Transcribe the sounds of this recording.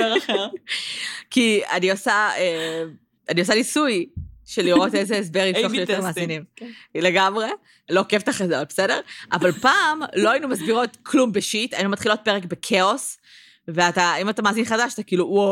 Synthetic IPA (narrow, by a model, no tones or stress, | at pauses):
kia̰niosae | ʔaniosalisujʃeliʁo̞tezeːs̬beʁitoejoteʁmaːzinimleɡamʁe̞ | lokevt̪aχezabesedeʁʔa̰valpaːmlo̞ainumasbiʁo̞tkʰlumbeʃitajinumat̪χilot̚pe̞ʁek̚bekʰeo̞s | veataimatamaːzinχadaʃat̪akiːluʔuo